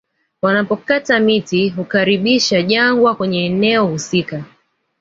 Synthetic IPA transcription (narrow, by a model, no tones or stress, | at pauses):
wanapɔkatamitiɦukaɾiɓiʃaʄaŋɡwakwɛɲɛːnɛɔhusika